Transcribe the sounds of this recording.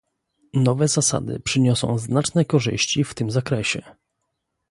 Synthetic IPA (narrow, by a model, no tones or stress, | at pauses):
nɔvɛzasa̰d̪ɘ̰pʂɘɲɔsɔ̰̃w̃znat͡ʂnɛkɔʐɘ̰ɕt͡ɕift̪ɘmzakɾɛɕɛ